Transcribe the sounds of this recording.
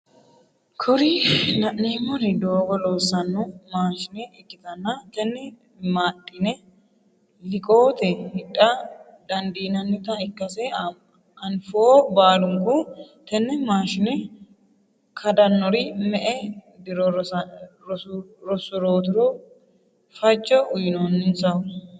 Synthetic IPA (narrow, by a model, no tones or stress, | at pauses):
kʰɔɾɪnɐʔːiːmɔɾɪd̪oːɡɔlo̞ːsːɐnːɔmaːʃɪnɛɛkːɪt̪ɐnːɐt̪ɛnːɛ | maːtʼːɪnɛ | lɪkʼoːt̪ɛhɪᶑʼɐ | d̪ɐnd̪iːnɐnːɪt̪ɐɪkːɐsɛ | ɐnfoːbaːlʊŋkʊ | t̪ɛnːɛmaːʃɪnɛ | kʰɐd̪ɐnːɔɾɪmɛʔɛbɪɾɔɾ | ɾɔsʊɾoːt̪ɪɾɔ | fɐt͡ʃːɔʊjɪnonːɪnsɐwʊ